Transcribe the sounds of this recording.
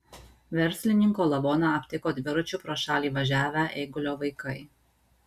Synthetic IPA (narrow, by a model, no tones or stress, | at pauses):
ʋʲɛɾʲsʲlʲɪnʲɪŋkoːlˠɐʋoːnɑɐpʲt̪ʲɪkoːd̪ʲʋʲɪɾʊt͡ʃʲʊpɾoːʃɑːlʲiːʋɐʒʲæːʋʲæʔeɪɡʊlʲoːʋɐɪkɐɪ